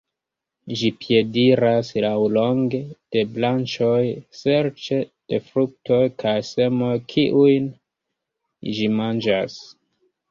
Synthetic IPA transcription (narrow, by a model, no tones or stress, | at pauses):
ʒipje̞diɾaslawlo̞ŋɡed̥e̞blant͡ʃo̞jse̞ɾt͡ʃed̥e̞fɾuk̚to̞jkʰajse̞mo̞jkʰiʔujn | ʒimand͡ʒas